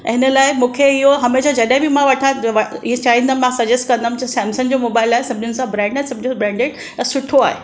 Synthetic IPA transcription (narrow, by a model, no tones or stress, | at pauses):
ɐɦɪnəlaːɪmũːkʰeɪɦoɦɐmeːʃad͡ʑɐɗɦɪ̃bʱimãʋɐʈʰaʋɐiɦẽt͡ɕaːɦĩnd̪amãsɐd͡ʑesʈkɐ̃nd̪amũt͡ɕasɛ̃ːmsənd͡ʑomoːbaːɪlaːɦesɐb̚d͡ʑʱʊnɪ̆sãbɾɛ̃ːɳɖãsɐbd͡ʑʱʊbɾɛ̃ːɳɖeɽ | sʊʈʰːoaːɦe